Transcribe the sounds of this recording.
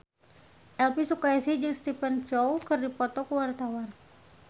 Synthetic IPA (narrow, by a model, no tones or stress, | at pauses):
ʔɛlpisukaisid͡ʒɨŋst̪ipɛnt͡ʃɔwkɨrdipɔt̪ɔkəwart̪awan